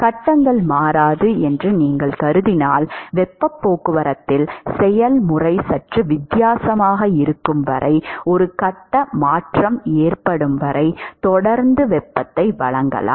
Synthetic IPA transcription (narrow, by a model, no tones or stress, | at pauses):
kɐʈːɐŋɡɐɭmaːɾaːðɯɛndrɯniːŋɡɐɭkɐɾɯðɪnaːlʋɛpːɐpːoːkɯʋɐɾɐt̪ːɪlsɛjɐlmʊrɐɪsɐʈrɯʋɪd̪jaːsɐmaːɣɐɪɾɯkːɯmʋɐɾʔɐ̰ɪɔɾɯkɐʈːɐmaːʈrɐmeːrpɐɽɯmʋɐɾɐɪt̪ɔɽɐɾnd̪ɯʋɛpːɐt̪ːɐɪʋɐɭɐŋɡɐ̰la̰ː